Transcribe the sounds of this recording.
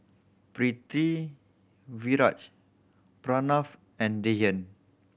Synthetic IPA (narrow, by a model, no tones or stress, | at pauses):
pɾit̪i | viɾat͡ʃ | pɾɔnɔf | ɛ̃ndejə̃n